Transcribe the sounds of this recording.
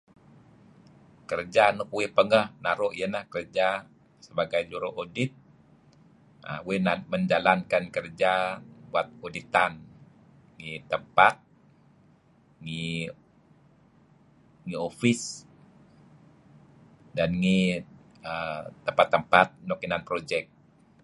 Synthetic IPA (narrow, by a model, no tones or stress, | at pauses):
kərd͡ʒanʊk̚wepəŋɡəhnaɾoʔijənahkərd͡ʒa | səbaɡajd͡ʒuɾoʔodit̪̚ | ə̰wenaməɲd͡ʒalankankərd͡ʒabuat̪̚odit̪an | ŋit̪əmpat̪̚ | ŋi | ŋiofis | danŋi | ət̪əmpat̪ːəmpat̪̚nokinanpɾod͡ʒɛk̚